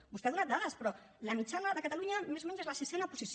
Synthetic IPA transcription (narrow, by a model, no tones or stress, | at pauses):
bust̪eaðunat̪d̪aðəspɾɔ | ləmit͡ʃanəðəkət̪aluɲəmezumɛɲzezləsisɛnapuzis